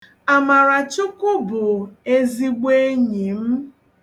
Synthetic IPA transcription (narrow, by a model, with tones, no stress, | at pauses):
a˨ma˨ɾa˨t͡ʃʊ˦kʊ˦bʊ˨e˦zi˦ɡ͡be˦ɲi˨m̩˦